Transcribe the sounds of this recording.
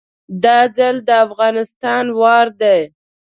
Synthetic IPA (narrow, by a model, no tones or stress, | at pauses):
d̪ɑzəld̪əafɣɑnɪst̪ɑnwɑɾd̪e